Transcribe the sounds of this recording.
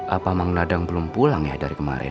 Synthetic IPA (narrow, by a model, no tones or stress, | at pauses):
ʔapamaŋnadaŋbəlʊmpulaŋjahdaɾikəma̰ɾɛ̰